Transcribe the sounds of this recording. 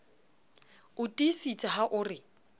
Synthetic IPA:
ʊtʼisit͡sʼaɦaʔʊːrɪ

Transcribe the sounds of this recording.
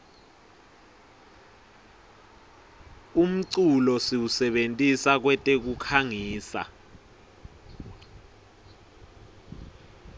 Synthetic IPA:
um̩ǀulɔsiwusɛɓentʼisak̬wɛtʼek̬ukʰaŋiːsa̰

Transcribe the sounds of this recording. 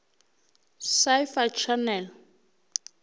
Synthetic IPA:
sajfat͡ʃʰanɛl

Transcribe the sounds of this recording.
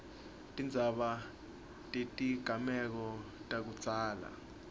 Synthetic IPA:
tʼind͡zʱaɓa | tʼetʼiɡ̥ʱamɛk̬ɔtʼak̬ut͡sʼaːla̰

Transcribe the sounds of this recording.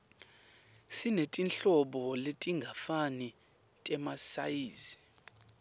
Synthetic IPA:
sinetʼinɬɔɓɔletʼiŋɡʱafani | tʼɛmasa̰jiːzi

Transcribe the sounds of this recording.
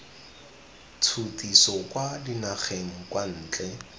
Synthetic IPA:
t͡sʰutisɔkwadinaχeŋ̩kwan̩ːt͡ɬʼɛ

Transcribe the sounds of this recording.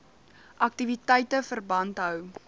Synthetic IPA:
ʔɐk̚tivitɛjtəfərbɐntɦœw

